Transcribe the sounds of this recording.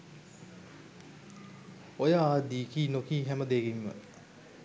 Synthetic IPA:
ojad̪ikʰinokiɦɛmɐd̪eɡiŋmɐ̰

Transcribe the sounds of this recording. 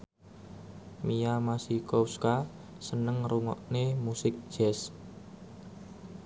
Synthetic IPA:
mijamasihkowska | sənəŋruŋɔ̰ʔnemusɪk̚d̥ʒ̥ɛs

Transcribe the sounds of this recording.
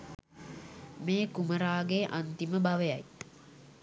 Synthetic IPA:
meːkuməɾaːɡeʔant̪iməbaʋəjaj

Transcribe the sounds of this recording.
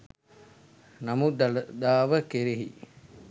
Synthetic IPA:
nɐmud̪d̪aːʋəkeɾeɦḭ

